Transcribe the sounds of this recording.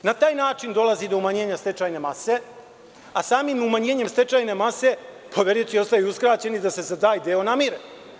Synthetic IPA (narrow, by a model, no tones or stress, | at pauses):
nat̪aːjnaːt͡ʂind̪o̞lˠazid̪o̞umaɲe̞ːɲast̪e̞t͡ʃajne̞mase̞ | asaːmimumaɲe̞ːɲemst̪e̞t͡ʃajne̞mase̞ | poʋeɾiot͡ɕio̞st̪ajuuskɾaːt͡ɕe̞nid̪ase̞zad̪aːjd̪eo̞namiɾe